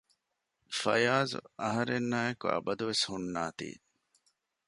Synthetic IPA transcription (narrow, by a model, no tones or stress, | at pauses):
fɐ̰jaːzṵɐɦɐɾenːaːjɐkuɐ̰bɐd̪uʋeshunːaːt̪ḭː